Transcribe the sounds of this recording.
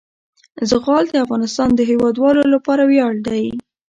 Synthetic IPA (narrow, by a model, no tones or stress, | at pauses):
zəɣɑld̪əafɣɑnɪst̪ɑnd̪əɦewɑd̪wɑlolapɑɾawjɑɽd̪aj